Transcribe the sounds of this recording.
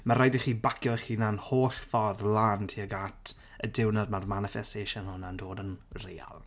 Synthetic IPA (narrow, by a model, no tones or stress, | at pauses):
maɾajdiχiːbakʰjɔχiːnanhoːɬfɔðlˠaːntʰiːəɡatʰ | ədɪwnad̚marmanɪfɛsteːʃɔnhʊnandoːdənreja̰lˠ